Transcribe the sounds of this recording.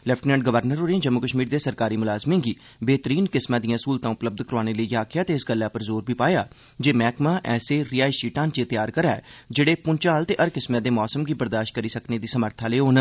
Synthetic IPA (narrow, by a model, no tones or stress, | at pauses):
lɛpʰʈnɛ̃ːɳɖ̚ɡəʋəɾnəɾɦoːɾeẽːd͡ʒəmːʊkəʃmiːɾd̪eːsəɾkaːɾiːmʊlaːzmẽːɡiː | beːt̪əɾiːnkɪsmãːd̪ijãːsuːlt̪ãːʊpləb̚d̪kəɾaːñeːləiːjaːkʰɪjaːt̪eːɪsɡəlːaːpəɾzoːɾbiːpaːjaː | d͡ʒeːmɛːkmãːʔɛːseːɾiaːisiːʈãːnt͡ʃeːt̪ɪjaːɾkəɾaːɛ̰ːd͡ʒeːɽeːpʊnt͡ʃaːlt̪eːʔəɾkɪsmãːd̪eːmɔːsəmɡiːbəɾd̪aːʃʈ̚kəɾiːsəkneːd̪iːsəməɾt̪ʰaːleːɦoːn